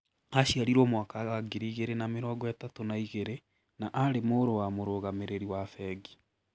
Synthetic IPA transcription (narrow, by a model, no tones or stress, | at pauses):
aɕiaɾiɾomwakaɣaɡiɾiɣeɾenameɾɔːɡɔɛtatonaiɣeɾe | naʔaɾemoːɾowamoɾoɣameɾeɾiwafɛɡi